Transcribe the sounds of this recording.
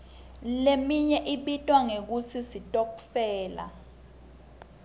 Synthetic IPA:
lemiɲɛʔiɓitʼwaŋek̬usʰisitʼokfɛːla̰

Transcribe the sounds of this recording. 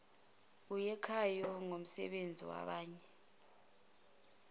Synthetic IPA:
ujɛkʰajɔŋom̩sɛ̰ɓend͡zʱiwa̰ɓaːɲɛ

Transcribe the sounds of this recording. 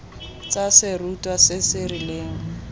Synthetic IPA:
t͡sasɪrutʼwasɪsɪrileːŋ̩

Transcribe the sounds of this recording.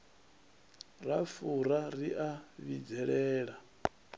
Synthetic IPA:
rafuɾaɾiʔaβid͡zɛɺɛːɺa

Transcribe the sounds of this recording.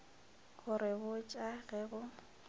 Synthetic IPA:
ɣʊɾɪbʊt͡ʃʼaɣɛɣʊ

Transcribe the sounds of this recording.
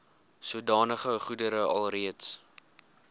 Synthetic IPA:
suədɑːnəχəχudəɾəɐ̰lˠriəts

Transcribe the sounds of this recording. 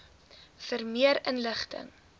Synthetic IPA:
fərmiəɾənləχtə̰ŋ

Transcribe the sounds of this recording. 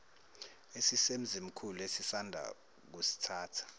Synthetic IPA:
esisem̩zim̩kʰulesisandʱa̰ | k̬usi̥tʰaːtʰu̥

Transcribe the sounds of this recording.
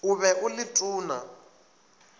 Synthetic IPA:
ʊβɛʔʊlɪtʼuːna̰

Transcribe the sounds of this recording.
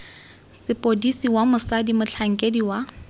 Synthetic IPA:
sɪpʼodisiwamʊsadimʊt͡ɬʰaŋ̩kʼediwa

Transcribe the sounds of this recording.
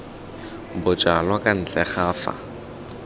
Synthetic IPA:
bʊt͡ʃʼalwakʼan̩t͡ɬʼɛχaːfa̰

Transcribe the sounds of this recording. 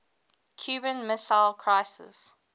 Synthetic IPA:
kʰj̥ʉːbə̃nmɪsaɪlkʰɹ̥aɪsɪ̰s

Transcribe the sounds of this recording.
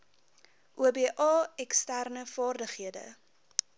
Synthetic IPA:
ʔuəbiəʔɑːɛkstærnəfɑːrdəχiədə̰

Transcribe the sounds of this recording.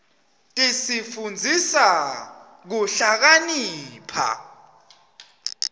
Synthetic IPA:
tʼisifund͡zʱisa | k̬uɬak̬aniːpʰa̰

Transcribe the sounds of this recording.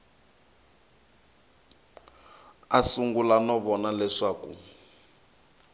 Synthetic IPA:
asuŋɡulanɔβɔnalɛʂaːkṵ

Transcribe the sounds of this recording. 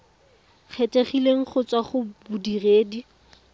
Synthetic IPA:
k͡xʰetʼeχileŋ̩χʊt͡swaχʊbʊdireːdi

